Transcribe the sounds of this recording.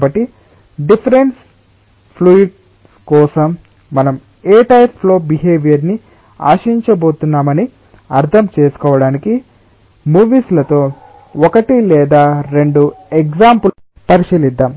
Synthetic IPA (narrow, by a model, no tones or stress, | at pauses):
bɐʈːi | ɖipʰɐɾe̞ns | pʰluiʈ̚ | kɔːsɐmː | ɐnɐm | eːʈɐjplo̞ːbiɦeːʋijɐɾni | a̰ːʃɐiɲt͡ʃɐbo̞ːt̪unːaːmɐni | ɐɾt̪ʰɐmt͡ʃeːsu̥kɔːʋɐɽaːniki | muːʋiːslɐt̪o̞ː | ɔkɐʈilɛːd̪aːɾe̞ɳɖuekɡd͡ʒaːmpu | pɐɾiʃɐlid̪ːaːm